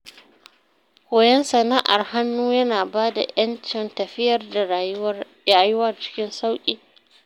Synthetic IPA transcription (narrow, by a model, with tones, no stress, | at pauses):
kʷoː˨jɛ˦nsɐ˨naː˦ʔa˨rha˦nːuː˦jɐ˦naː˨baː˦da̰˨ʔjɐ˦nt͡ʃɪ˨ntɐ˨ɸɪ˦jɐ˨rd | aː˨jʊ˦wɐ˦rt͡ʃɪ̥˦kʲɪ˦nsa˦wkʲʼiː˨